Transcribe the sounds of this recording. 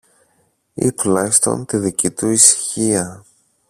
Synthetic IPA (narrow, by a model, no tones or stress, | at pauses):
ḭt̪ulɐçist̪o̞̰nt̪iðicit̪uisi̥çiɐ